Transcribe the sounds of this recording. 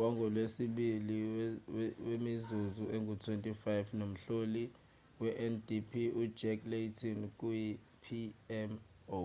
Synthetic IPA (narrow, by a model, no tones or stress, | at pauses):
waŋɡʱɔlwesiɓili | wemizuzuʔeŋɡʱutʰwentʼifajfnom̩ɬoli | wɛʔɛndipʰiu̥d͡ʒɛkletʰink̬ʼuji | pʰiɛm | o